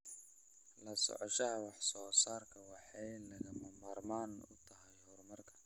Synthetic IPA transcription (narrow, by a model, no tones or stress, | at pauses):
lɐsɔ̰ʕɔʃɐɦɐwɑħsɔːsaːrkʰɐwɑħɑjlɐɣɐmɐmaːrmaːnʊ̰t̪ʰɐɦɛjhɔrmɐrkʰɐ̥